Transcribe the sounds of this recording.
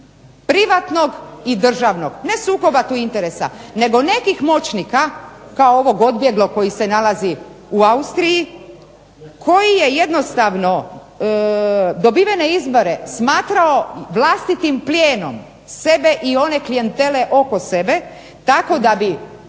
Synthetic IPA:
pɾiʋat̪no̞ɡid̪r̩ʒaʋno̞ɡne̞suːko̞bat̪uint̪e̞ɾesa̰ne̞ɡo̞ne̞kixmo̞t͡ɕnikakaoo̞ʋo̞ɡo̞d̪bje̞ɡlo̞ko̞jise̞nalaziuaust̪ɾiji | kʰo̞jije̞je̞d̪no̞st̪aʋno̞ | d̪o̞biʋene̞izbo̞ɾe̞smaːt̪ɾao̞ʋlast̪it̪implʲjeːno̞̰m | se̞be̞ʔio̞ne̞klije̞nt̪e̞le̞ʔo̞ko̞se̞be̞ | t̪ako̞d̪abi

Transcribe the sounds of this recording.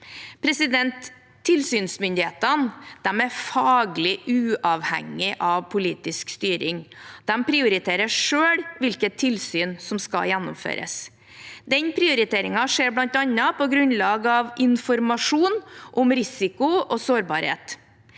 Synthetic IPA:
pʰɾɛsɪd̪ɛnt̪ʰː | ɪlsyːnsmʏnd̪ɪheːt̪ənd̪̥ɛmæɾfɑːɡlɪʔʉːʔɑːʋhæ̰ŋːɪʔɑʋpʰʊliːt̪ɪskst̪yːɾɪŋd̪̥ɛmpʰɾɪʊɾɪt̪ʰeːɾəʂøːɽʋɪlkət̪ʰːɪlsyːnsɔmskɑ̰jænːʊmfø̰ːɾʔə̰s | d̪ɛnpʰɾɪʊɾɪt̪ʰeːɾɪŋɑʂeːɾblɑnt̪ɑnːɑpɔɡɾʉnlɑːɡɑʋʔɪnfɔɾmɑʂuːnʔɔmɾɪsɪkʊɔsoːɾbɑːɾhḛːt̪

